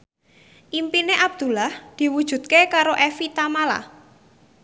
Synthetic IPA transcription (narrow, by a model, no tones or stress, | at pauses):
ʔimpineʔab̚d̪̥ṳlahd̪̥i̤wud̥ʒ̥ṳt̪̚kekaɾoʔefit̪amala̰